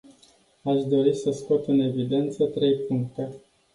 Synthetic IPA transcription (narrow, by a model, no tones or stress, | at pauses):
aʃd̪o̞ɾisəskot̪ɨne̞vid̪e̞nt̪sət̪ɾe̞jpuŋk̚t̪e̞